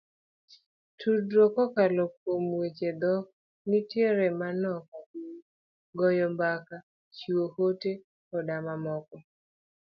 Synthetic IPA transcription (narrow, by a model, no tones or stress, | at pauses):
tʰudɾokɔkalɔk̚omwet͡ʃed̪ɔk | nɪtjeɾɛmanɔka | ɡɔjɔmbaka | t͡ʃuohote | ɔdamamɔkɔ